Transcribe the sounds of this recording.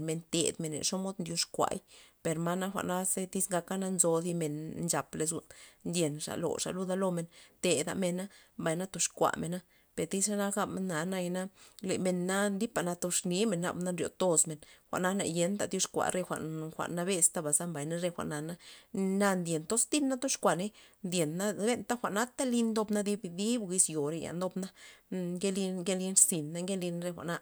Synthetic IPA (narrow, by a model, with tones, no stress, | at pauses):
me˨nt̪ḛ˨d̪me˨nːḛ˨ʂo˦mo˦d̪nd̪ju˧ʂkʷa̰˧jpe˨ɾma˦na˦xʷa̰˧˨ʔna˦se˦t̪i˦sŋɡa˧ka˦na˦nzo˧d̪i˧me˨nnt͡ʃa˨ple˧zṵ˧nd̪je˨nʂa̰˨lo̰˨ʂa̰˨lu˦d̪a˦lo˧me˨nt̪e˨d̪a̰˧me˧na˦mba˨jna˦t̪o˧ʂkʷa̰˨me˨na˦ | pe˨ɾt̪i˦sʂa˦na˦ɡa˦bme˨nːa˨na˧jna˦le˨me˧nːa˦nd̪i˦pa˨na˧t̪o˧ʂni˦me˨nːa̰˧bna˦nɾjo̰˧t̪o˦sme˨nxʷa̰˨ʔna˦na̰˨je˦nd̪a˧d̪jo˦ʂkʷa̰˨ɾe˧xʷa̰˨nxʷa̰˨ʔnːa˧be˧st̪a˦ba˨za˦mba˨jna˦ɾe˧xʷa̰˨ʔna˨na˦na˧nd̪je˨nt̪o˦sd̪i˦nːa˦t̪o˦ʃkʷa˨ne˦nd̪je˨nːa˦le˦nt̪a˦xʷa˨ʔna˦t̪a˦li˧nd̪o˧bna˦d̪i˦bd̪i˦bɡi˧sjo˨ɾe˧ja̰˨nd̪o˧bna˦ɡe˦li˧ɡe˦li˧˦nɾsi˨nːa˦ŋɡe˦li˧n˧ɾe˧xʷa̰˨ʔna˦